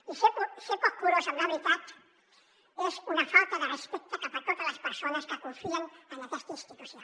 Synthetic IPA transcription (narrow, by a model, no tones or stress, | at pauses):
iseposekokuɾosaŋɾaβɾit̪at̪ | esunafalt̪aðerespek̚t̪akat̪at̪ot̪alaspeɾsonaskekuɱfiaŋalat̪est̪inst̪it̪uθja